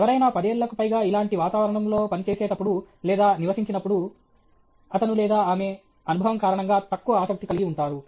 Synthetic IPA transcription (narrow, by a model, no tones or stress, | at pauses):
ɛʋɐɾɐjnaːpɐd̪eːlːɐkupɐjɡaːilaːɳʈiʋaːt̪aːʋɐɾɐɳɐmlo̞ːpɐnit͡ʃeːseːʈɐpːuɽu | lɛːd̪aːniʋɐsiɲt͡ʃinɐpːuɽu | ɐt̪ɐnulɛːd̪aːaːme̞ | ɐnubʱɐʋɐmkaːɾɐɳɐŋɡaːt̪ɐkːuʋɐaːsɐk̚t̪ikɐliɡiuɳʈaːɾu